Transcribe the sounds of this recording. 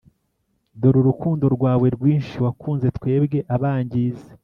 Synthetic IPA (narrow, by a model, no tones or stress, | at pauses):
doɾuɾukuːndo̞ɾɡwaːβwe̞ɾɡwiːnʃiwakuːnze̞tkwe̞ːbɡe̞ʔaβaːɲɟiːze̥